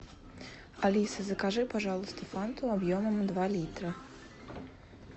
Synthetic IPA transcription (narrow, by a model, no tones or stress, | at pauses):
ɐlʲisɐzɐkaʒɪpaʒɑlˠʊst̪ɪfant̪ʊɐbjɔmɐmd̪ʋalʲit̪ɾɐ